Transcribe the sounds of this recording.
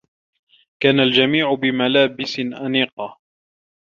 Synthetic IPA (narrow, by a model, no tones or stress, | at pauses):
kaːnald͡ʒamiːʕʊbɪmalaːbɪsɪnʔaniːqɑ